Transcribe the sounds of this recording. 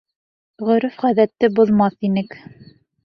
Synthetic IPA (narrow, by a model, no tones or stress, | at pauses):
ʁɵ̆ɾɘfʁæðæt̪ːɘbŏðˠmɑθinɘk